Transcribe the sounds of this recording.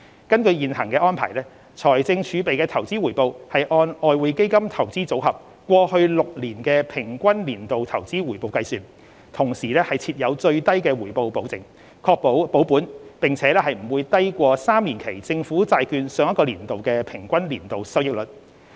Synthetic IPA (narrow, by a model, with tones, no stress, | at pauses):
kɐ˥nkɵ˧ɥjiː˨nhɐ˨˩ŋkɛː˧ʔɔː˥npʰa̰ː˨˩jlɛː˥ | t͡sʰɔː˨˩jt͡sɪ˧ŋt͡ʃʰyː˨˧pe˨jkɛː˧t̪ʰɐ˨˩wt͡siː˥wuː˨˩jpo˨˧whɐ˨jʔɔː˧nʔɔː˨˧jwuː˨˧jke˥jkɐ˥mt̪ʰɐ˨˩wt͡siː˥t͡so˨˥whɐ˨p̚ | kʷɔː˧hɵ˧ɥlʊ˨k̚liː˨˩nkɛː˧pʰɪ˨˩ŋkʷɐ˥nliː˨˩nt̪o˨wt̪ʰɐ˨˩wt͡siː˥wuː˨˩jpo˨˧wkɐ˧jsyː˨n | t̪ʰʊ˨˩ŋsiː˨˩lɛː˥hɐ˨jt͡sʰiː˧t̚jɐ˨˧wt͡ʃɵ˧ɥt̪ɐ˥jkɛː˧wuː˨˩jpo˨wpo˨˥wt͡sɪ˨ŋ | kʰɔː˧k̚ppo˨˥wpuː˨˥npɪ˨ŋt͡sʰɛː˨˥lɛː˥ɦɐ˨jm̩˨˩wuː˨˧jt̪ɐ˥jkʷɔː˧saː˥mliː˨˩nkʰe˨˩jt͡sɪ˧ŋfuː˨˥t͡saː˧jkyː˧nsœː˨˧ŋjɐ˥kɔː˧liː˨˩nt̪o˨wkɛː˧pʰɪ˨˩ŋkʷɐ˥nliː˨˩nt̪o˨wsɐ˥wjɪ˥k̚lɵ˨t̚